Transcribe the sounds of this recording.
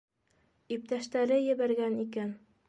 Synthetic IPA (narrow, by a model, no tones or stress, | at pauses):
ip̚t̪æʃt̪æɾɘjɘ̆βæɾɡænikæn